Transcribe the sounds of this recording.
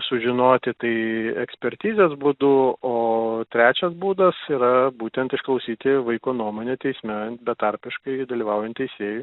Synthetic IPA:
sʊʒʲɪnoːt̪ʲɪt̪ɐɪɛksʲpʲɛɾʲt̪ʲiːzʲeːsbud̪ʊoːt̪ʲɾʲæːt͡ʃʲɛsbuːd̪ɐsiːɾɐbuːt̪ʲɛnt̪ɪʃklˠɐʊsʲiːt̪ʲɪʋɐɪkoːnuɔmoːnʲet̪ʲɛɪsʲmʲɛbʲɛt̪ɐɾʲpʲɪʃkɐɪd̪ɐlʲiːʋɐʊjɛnt̪tʲɛɪsʲeːju

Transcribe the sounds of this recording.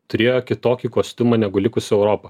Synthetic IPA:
t̪ʊɾʲeːjoːkʲɪt̪oːkʲikoːsʲt̪ʲʊmɐnʲæɡʊlʲɪkʊsʲɛʊɾoːpɐ

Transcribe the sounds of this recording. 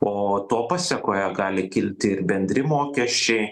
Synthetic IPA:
oːt̪oːpɑsʲɛkoːjɛɡɑːlʲɪkʲɪlʲt̪ʲɪɪrbʲɛnʲd̪ʲɾʲɪmoːkʲɛʃʲt͡ʃʲɛɪ

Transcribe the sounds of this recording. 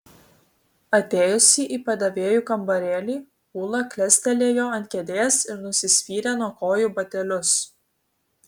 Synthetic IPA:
ɐt̪ʲeːjʊsʲiːʔiːpɐd̪ɐʋʲeːjuːkɐmbɐɾʲeːlʲiː | puːlˠɐklʲɛsʲt̪ʲɛlʲeːjoːɐnt̪ʲkʲɛd̪ʲeːsɪɾnʊsʲɪsʲpʲiːɾʲeːnuɔkoːjuːbɐt̪ʲɛlʲʊs

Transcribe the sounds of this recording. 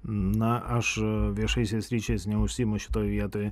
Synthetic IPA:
nɐʔɐʃʋʲiɛʃɐɪsʲɛsʲɾʲiːt͡ʃʲeːsnʲɛʊʃʲsʲiːmʊʃʲɪ̥t̪oːjʋʲiɛt̪oːj

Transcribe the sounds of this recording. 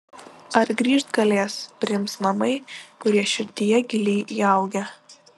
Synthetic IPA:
ɐɾɡɾʲiːʃt̪ɡɐlʲeːspʲɾʲɪmsnɐmɐɪkʊɾʲiɛʃʲɪɾʲt̪ʲɪjɛɡʲɪlʲiːʔiɐˑʊɡʲɛ

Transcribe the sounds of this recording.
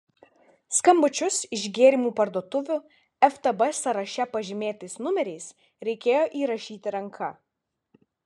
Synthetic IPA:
skɐmbʊt͡ʃʲʊsɪʒʲɡʲeːɾʲimuːpɐɾd̪uɔt̪ʊʋʲʊ | ɛft̪ɐbɛsɐɾɐʃʲɛpɐʒʲɪmʲeːt̪ɐɪsnʊmʲɛɾʲɛɪs | ɾʲɛɪkʲeːjoːʔiːɾɐʃʲiːt̪ʲɪɾɐŋkʰɐ

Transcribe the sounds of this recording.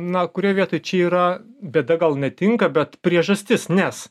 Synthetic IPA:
nɐkʊɾʲiɛʋʲiɛt̪oːjt͡ʃʲɛiːɾɐbʲɛd̪ɐɡɐlˠnʲɛt̪ʲɪŋkɐbʲɛt̪pʲɾʲiɛʒɐsʲt̪ʲɪsnʲɛs

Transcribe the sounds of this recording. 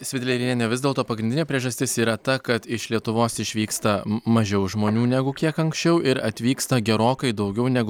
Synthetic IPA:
sʲʋʲɪd̪ʲlʲɛɪɾʲɪnʲeːnʲɛʋʲɪzd̪ʲeɛːlˠt̪oːpɐɡɾʲɪndʲɪnʲeːpʲɾʲiɛʒɐsʲt̪ʲɪsiːɾɐt̪ɐkɐt̪ɪʃlʲiɛt̪ʊʋoːsɪʃʲʋʲiːkst̪ɐmɐʒʲɛʊʒmoːnʲuːnʲæɡʊkʲiɛkɐŋksʲt͡ʃʲɛʊɪɾɐt̪ʲʋʲiːkst̪ɐɡʲɛɾoːkɐɪd̪ɐʊɡʲɛʊnʲæɡʊ

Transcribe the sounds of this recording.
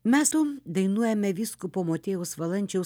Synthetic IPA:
mʲæːsud̪ɐɪnuɔjɛmʲɛʋʲiːskupoːmoːt̪ʲeːjʊsʋɐlˠɐnʲt͡ʃʲɛʊ

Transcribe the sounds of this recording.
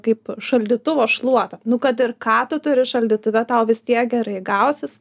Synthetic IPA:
kɐɪpʃɐlʲd̪ʲiːt̪ʊʋoːʃlˠuɔt̪ɐnʊkɐt̪ɪrkɑːt̪ʊt̪ʊɾʲɪʃɐlʲd̪ʲiːt̪ʊʋʲɛt̪ɐʊʋʲɪst̪ʲiɛk̚ɡʲɛɾɐɪɡɐʊsʲɪs

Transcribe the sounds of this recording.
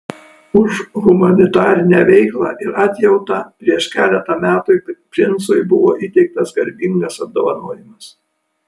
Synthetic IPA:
ʊʃɣʊmɐnʲɪt̪ɑːɾʲɪnʲæːʋʲɛɪklˠɑ̰ːʔɪɾɑt̪ʲjɛʊt̪ɑːpʲɾʲiɛʃkʲæːlʲɛt̪ɑːmʲæːt̪ʊɪpʲɾʲɪnˑsoɪbʊʋoːʔit̪ʲɛɪk̚t̪ɐsɡɐɾʲbʲɪŋɡɐsɐb̚d̪oːʋɐnoːjɪmɐs

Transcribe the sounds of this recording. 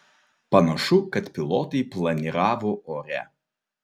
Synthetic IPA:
pɐnɐʃʊkɐt̪pʲɪlˠɔːt̪ɐɪplˠɐnʲiɾɑːʋoɔɾʲɛ̰

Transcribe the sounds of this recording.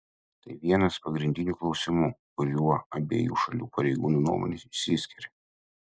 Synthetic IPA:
t̪ɐɪʋʲiɛnɐspɐɡɾʲɪnʲd̪ʲɪnʲuːklˠɒʊsʲɪmukʊɾʲuɔɐbʲḛːjṵːʃɐlʲṵːpɐɾʲɛɪɡuːnuːnṵɔmo̰ːnʲesɪʃsʲɪsʲkʲɪɾʲɛ

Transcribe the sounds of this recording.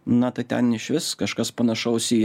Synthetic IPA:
nɐt̪ɐɪt̪ʲɛ̰nɪʃʲʋʲɪskɐʃkɐspɐnɐʃɐʊsʲiː

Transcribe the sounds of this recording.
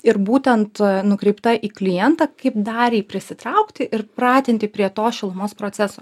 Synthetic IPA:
ɪɾbuːt̪ʲɛnt̪nʊkɾʲɛɪpt̪ɐʔiːklʲɪjɛnt̪ɑːkɐɪp̚d̪ɑːɾʲiːpʲɾʲɪsʲɪt̪ɾɐʊkt̪ʲɪʔɪɾpɾɑːt̪ʲɪnʲt̪ʲɪpʲɾʲiɛt̪oːʃʲɪlˠʊmoːspɾoːtsʲɛsoː

